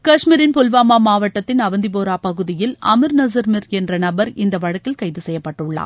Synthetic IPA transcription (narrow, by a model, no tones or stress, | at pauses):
kɐʂmiːɾɪnpɔlʋaːmaːmaːʋɐʈːɐt̪ːɪnɐʋɐnd̪ɪp̬oːɾaːpɐɣɯðɪjɪlʔɐmɪɾnɐs̬ɐɾmɪɾɛndrɐnɐbɐɾɪnd̪ɐʋɐɻɐkːɪlkɐɪðɯsɛjːɐpːɐʈːɯɭːa̰ː